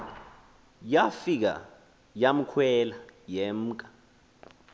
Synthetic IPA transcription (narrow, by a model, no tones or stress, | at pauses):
jafik̬a̰ | jam̩kʰwɛlajɛm̩kʼḁ